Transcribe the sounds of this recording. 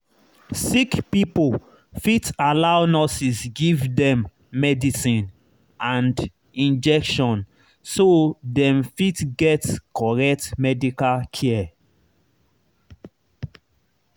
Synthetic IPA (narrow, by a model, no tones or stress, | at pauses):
sikpipol | fitalawnɔsisɡivdɛ̃mː | ɛdisĩn | ãnd | ĩnd͡ʒɛkʃɔ̃n | sodɛ̃mfitɡɛtkʰɔɹɛk̚tmɛdikalkʰɛ